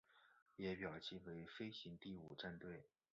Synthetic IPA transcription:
jɛ˧˥pjɑ˨˩ʊt͡ɕʰi˥˩nwe˧˥ɪfe˥ɪɕi˧˥ŋt̪i˥˩u˨˩ʈ͡ʂa˥˧nt̪we˥˩ɪ

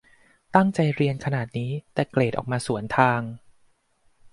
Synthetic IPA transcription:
t̪a˥˩ŋt͡ɕa˧jɾi˧ənkʰa˧naː˨˩t̪̚niː˦˥t̪ɛː˨˩kleː˨˩t̪ʔɔ̰ː˨˩k̚maː˧su˩˦ənt̪ʰaː˧ŋ

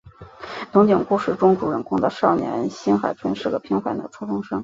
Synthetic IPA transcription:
t̪ʊ˧˥ŋt͡ɕi˨˩ŋku˥ʂɻ̩˥˩ʈ͡ʂʊ˥ŋʈ͡ʂu˧˥ɻə˨˩nkʰʊ˥ŋd̪ə˧ʂɑ˥˩ʊnjɛ̰˧˥nɕi˥nxa˨˩ɪʈ͡ʂʰwə˥nʂɻ̩˥˩ɡə˩pʰi˥ŋxwa˧˩nd̪ə̰˩ʈ͡ʂʰu˥fʊ˥ŋʂɤ˥ŋ

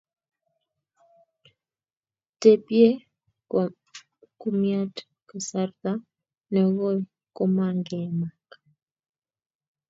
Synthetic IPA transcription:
te˨pje˦ | ku˦mja˦t | ka˨sa˦rt̪a˦ | nɛ˨ɣo˦ | ko˦ma˨ŋɡɛ˨ma˨k

